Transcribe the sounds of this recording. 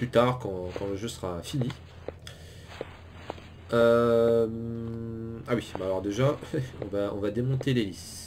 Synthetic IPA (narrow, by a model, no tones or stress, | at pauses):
plyt̪aʁkɑ̃kɑ̃ləʒøsəʁafini | øm | awibalɔʁd̪eʒaɔ̰̃vaɔ̃vad̪emɔ̃t̪elelis